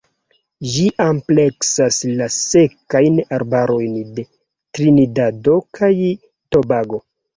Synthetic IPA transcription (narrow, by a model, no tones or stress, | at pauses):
ʒiʔample̞ksaslase̞kajnaɾbaɾo̞jnde̞ | tɾinidado̞kʰaj | to̞baɡo̞